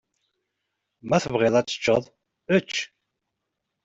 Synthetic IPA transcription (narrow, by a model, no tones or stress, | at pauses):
mæθəvʁɪðˤæt͡sːə̥t͡ʃːəðˤ | ət͡ʃː